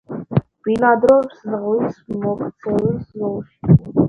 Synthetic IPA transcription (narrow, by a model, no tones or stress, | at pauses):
b̥ilad̪ɾɔvszʁlismɔkʰt̪sʰɛliszɔlˠʃi̥